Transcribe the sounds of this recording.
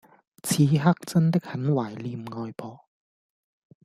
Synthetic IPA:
t͡sʰiː˨˧˥ɦaː˥k̚t͡sɐ˥nt̪ɪ˥k̚hɐ˨˥nwaː˨˩jliː˧mŋɔː˧jpʰɔː˨˧

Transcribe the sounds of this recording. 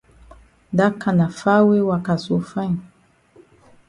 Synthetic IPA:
da˦ka˨na˨fa˦we˦wa˨ka˨so˨˦fa˦ɲ˨

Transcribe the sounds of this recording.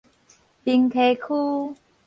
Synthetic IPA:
pi˧ŋt̪ʰe˧˩kʰu˦

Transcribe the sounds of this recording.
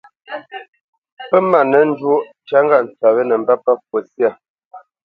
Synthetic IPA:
pə˦ma˨nə˨˦n̩˦dwo˦ | t͡ʃa˦ŋɡa˦˨n̩˨t͡sa˨bə˦nə˨m˦ba˦pa˦k̚wo˨sja˦˨

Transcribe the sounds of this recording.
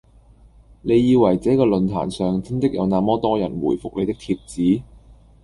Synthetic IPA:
ne˨˧jːiː˧wɐ˨˩jt͡sɛː˨˥kɔː˧lɵ˨nt̪ʰa̰ː˨˩nsœː˨ŋt͡sɪ˥ŋt̪ɪ˥k̚jɐ˨˧wnaː˨˧mɔː˥t̪ɔː˥jɐ̰˨˩nwuː˨˩jfʊ˨k̚le˨˧jt̪ɪ˥k̚t̪ʰi˧p̚t͡siː˨˥

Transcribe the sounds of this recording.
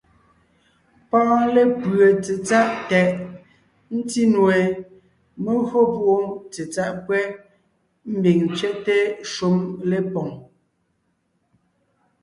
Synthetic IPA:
pãː˦le˦pɰə˨t͡se˨t͡sa˦ʔtɛ˨ʔ | n̩˦ti˦nwe˨ | me˦ɣo˦pwo˦˨t͡se˨t͡sa˦ʔkwɛ˦ | m̩˦bi˨ŋt͡sɥɛ˦ʔte˦ʃu˦mle˦pɔ˨ŋ

